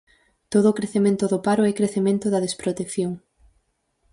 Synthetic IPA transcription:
t̪oðoːkɾeθemẽnt̪ʊðʊpaɾʊɛkɾeθemẽnt̪ʊðɐðespɾot̪ekθjoŋ

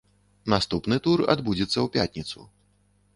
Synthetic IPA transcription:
nast̪upnɨt̪ura̰d̪bud͡zʲɛt̪sːɐwpʲat̪ʲnʲit̪sṵ

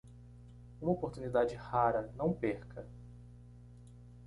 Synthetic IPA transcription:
ũmɐopoɾt̪unid̪ad͡ʒɪhaɾɐnɐ̃w̃peɾkʰɐ

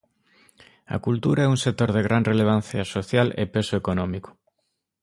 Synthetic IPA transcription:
ɐ̰kult̪uɾaɛuŋsek̚t̪oɾð̞eɣɾanreleβ̞an̟θjɐsoθjalḛpesoekonɔmiko̥

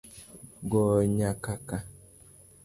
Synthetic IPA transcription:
ɡɔɲakaka

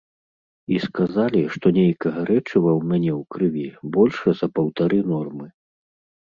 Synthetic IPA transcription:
iskazalʲiʂt̪ɔnʲejkɐɣɐɾɛt͡ʂɨvɐwmʲanʲɛwkɾɨvʲibɔlʲʂɐzɐpɐwt̪aɾɨnɔrmɨ

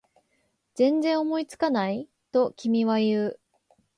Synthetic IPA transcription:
d͡zẽ̞nd͡zẽ̞ɰ̃omo̞it͡sɨ̥kanai | t̪o̞kʲimʲiβajɯ̟ː

